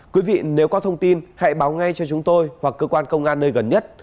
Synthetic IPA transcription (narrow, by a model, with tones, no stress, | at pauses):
kwi˨˦vḭ˧˨ne˨˦wkɔ˨˦t̪ʰə˧wŋ͡mt̪i˧nha̰˧˨jɓaː˨˦wŋa˧jt͡ɕɔ˧t͡ɕʊ˨˦ŋ͡mt̪o˧jhwa˨˩kːəː˧kwaː˧nkə˧wŋ͡mʔaː˧nːəː˧jɣə˨˩nɲə˦˥t̚